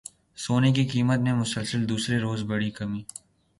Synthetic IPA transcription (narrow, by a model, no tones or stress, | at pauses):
soːnekikiːmət̪nemʊsəlsəld̪uːsɾeɾoːzbɐɽikɐmiː